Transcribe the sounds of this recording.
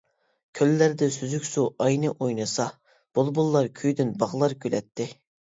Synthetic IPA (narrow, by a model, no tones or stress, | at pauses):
kʲʰølːæɾd̪ɪsyzykʲsuʔɑjnɨʔojnɨsɑ | b̥olˠbulˠːɑɾkʲʰyjd̪ynbɑʁlˠɑɾkʲʰølɛt̪ʰːɪ